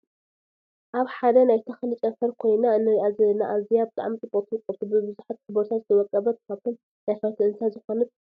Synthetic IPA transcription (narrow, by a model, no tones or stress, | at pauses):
ʔaβħad̪ɐnajt̪ʰɐxlɨt͡ʃʼɐfɐɾkʰo̞jnaɨnːɨɾiʔazɐlnaʔazijabɨt̪ʼa̰ʕmit͡sʼɨpʼot̪ʰuɨkʼːɐβt̪ʰubɨbɨzuħat̪ħɨboɾt̪ʰat̪zɨt̪ʰɐwɐkʼːɐβɐt̪ʰɨkʰaβt̪ʰon | jafɐt̪ʰɨɨnsʰazɨxo̞nɨt̪̚